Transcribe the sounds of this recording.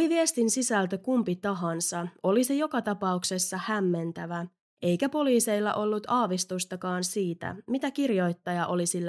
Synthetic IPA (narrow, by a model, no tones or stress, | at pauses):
oliʋie̞st̪insisælt̪økumpit̪ɑɦɑnsɑo̞lise̞jo̞kɑt̪ɑpɑukse̞sːɑhæmːe̞nt̪æʋæ | e̞jkæpo̞liːse̞jlːɑ̰ʔo̞lːut̪ʰɑːʋist̪ust̪ɑkɑːnsiːt̪æ̰mit̪ækirjo̞jt̪ːɑjɑʔo̞lisilːæ